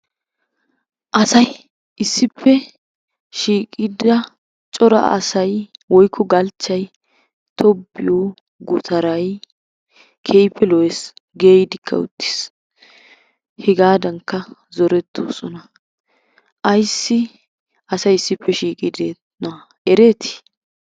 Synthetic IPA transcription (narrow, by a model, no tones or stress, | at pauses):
ʔɐsɐj | ɪsːɪpʰːɛ | ʃiːkʼɪd̪ɐ | t͡ʃʼɔɾɐ̰ɐ̰sɐjwɔjkʰːɔɡɐlt͡ʃːɐj | t̪ʰɔbːɪjoː | ɡʊt̪ʰɐɾɐj | kʰejpʰːɛlɔwɛsɡeːjɪd̪ɪkʰːɐ̰ʊ̰t̪ːɪ̥s | hɛɡaːd̪ɐŋkːɐzɔɾɛt̪ʰːo̰ːsɔnɐ | ʔɐjsːɪ | ɐsɐjɪsːɪpːɛʃiːkʼɪd̪eːt̪ | nɐ | ɛɾe̞ːt̪ʰɪ̥i̥